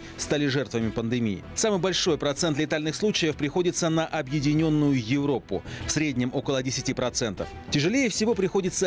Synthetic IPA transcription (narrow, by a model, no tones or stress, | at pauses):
st̪alʲɪʐɛrt̪vəmʲɪpənd̪ɨmʲijɪ̰samɨjbɐlʲʂo̞jpɾɐt̪sɛnt̪lʲɪt̪alʲnɨxslˠut͡ɕɪjəfpɾʲɪxo̞dʲɪt̪sənəʔɐbjɪdʲɪnʲo̞nːʊjʊjɪvɾo̞pʊ̰fsɾʲedʲnʲɪmʔo̞kəlˠədʲɪsʲɪtʲipɾɐt̪sɛnt̪əf | tʲɪʐɨlʲejəfsʲɪvo̞pɾʲɪxo̞dʲɪt̪sə